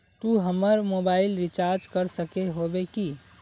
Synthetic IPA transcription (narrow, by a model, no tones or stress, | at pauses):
t̪uɦəməɾmobaɪlɾit͡ʃaɾd͡ʒkəɾsəkeɦobeki